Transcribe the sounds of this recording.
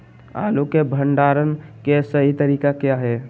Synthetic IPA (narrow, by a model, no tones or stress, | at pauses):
a̰ːlukebʱə̃ɳɖaːɾənkesəɦit̪əɾiːkakjaɦɛː